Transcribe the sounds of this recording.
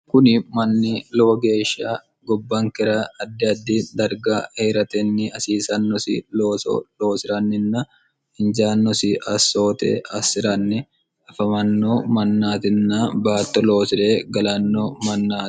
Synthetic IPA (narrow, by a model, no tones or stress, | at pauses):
kʊnɪmɐnːɪloːɡe̞ːʃːaː | ɡɔbːɐŋkɛɾɐɐd̪ːɪɐd̪ːid̪ɐɾɡaːeːɾɐt̪ɛnːɪɐsiːsɐnːɔsɪ̰loːsloːsɪɾɐnːɪnːɐ | ɪnd͡ʒaːnːɔsɪʔɐsːo̞ːt̪ɛ̰ʔɐsːɪɾɐnːɪ | ɐfɐmɐnːoːmɐnːaːt̪ɪnːɐbaːt̪ːɔlo̞ːsɪɾeːɡɐlɐnːoːmɐnːaːt̪ɪ̥